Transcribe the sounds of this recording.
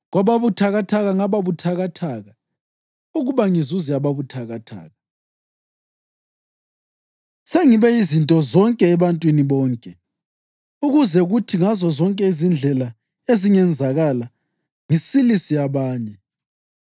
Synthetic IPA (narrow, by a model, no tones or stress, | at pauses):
ɣwaβaβutʰaɣatʰaɣaŋaβaβutʰaɣatʰaːɣa | uɣuβaŋizuziaβaβutʰaɣatʰa̰ːɣa | seŋiβɛizintʼɔzɔŋkʼɛːβantʼwiniβɔːŋkʼɛ | uɣuzɛɣutʰiŋazɔzɔŋkʼɛizind͡ɮʱɛla | eziŋɛnd͡zʱaɣala | ŋisilisijaβaːɲɛ